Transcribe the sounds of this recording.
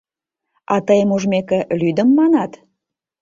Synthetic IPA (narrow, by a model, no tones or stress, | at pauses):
ɑt̪əjəmuʒmekelyd̪əmːɑnɑt̪